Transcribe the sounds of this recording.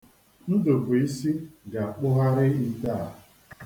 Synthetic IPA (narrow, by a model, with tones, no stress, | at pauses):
n̩˦do˨ku˨i˦si˦ɡa˨k͡pʊ˦ɦa˦ɾɪ˦i˦ta˦˨